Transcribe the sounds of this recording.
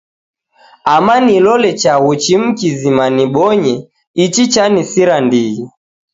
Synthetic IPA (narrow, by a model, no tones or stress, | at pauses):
amanilɔlɛt͡ʃaɣut͡ʃim̩kizimaniɓɔɲɛ | it͡ʃit͡ʃanisiɾandiɣi